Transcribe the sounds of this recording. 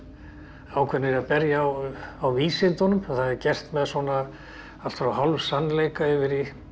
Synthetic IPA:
awkʰvɛnːɪɾaðpɛɾjaawviːsɪnt̪ɔnʏmaθaðɛɾcɛr̥t̪mɛðswɔna | al̥t̪fɾawɦalvsanːleːjkaɪvɪɾi

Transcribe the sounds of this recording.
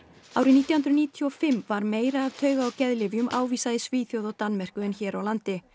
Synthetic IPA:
aːwɾɪniːt̪jahnt̪ɾʏniːt̪ʰjuɔfɪmːvaɾmeːjɾaːvt̪ʰœːɥɣaːwcɛðlɪvjʏmʔa̰ːwviːsaðɪsviːθjowðɔwt̪anmɛr̥kʏɛnçɛːɾawlant̪ɪ

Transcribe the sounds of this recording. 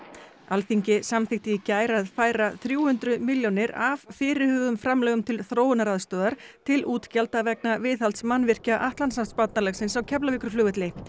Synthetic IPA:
alθiɲcɪsamθɪht̪ɪicaːjɾaðfaːjɾaθɾjuːhʏnt̪ɾʏmiljɔnɪɾavfɪːɾɪhʏːɣʏmfɾamlœːɣʏmt̪ʰɪlθɾoːwnaɾaðst̪œːðaɾ̥t̪ʰɪluːt̪calt̪avɛknavɪːθalt̪smanvɪr̥caʔaht̪lansat̪spat̪nalɛxsɪnsawcʰɛplavɪkɾʏ̥ɾflʏːɣʏt̪lɪ

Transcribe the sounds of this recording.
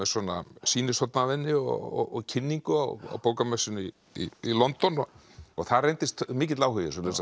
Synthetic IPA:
ɛswɔːnasiːnɪsɔt̪navɪnːɪɔ̰ɔ̰ɔɣcʰɪnːiŋkʏa̰wa̰wpowkamɛsɪnʏi | ḭilɔnt̪ɔnɔ | ɔɣθarejnt̪ɪst̪mːcɪt̪laːwhʏjɪsɔlɛsa

